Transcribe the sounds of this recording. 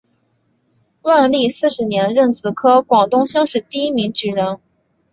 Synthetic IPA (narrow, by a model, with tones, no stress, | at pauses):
wa˥˧nli˥˧sɹ̩˥˩ʂɻ̩˧˥njɛ˧˥nɻə˥˩nt͡sʰɹ̩˨˩kʰɤ˥kwɑ˨˩ŋt̪ʊ˥ŋɕjɑ˥ŋʂɻ̩˨˩t̪i˥˩i˥mi˧˥ŋt͡ɕy˧˥ɻə˧˥n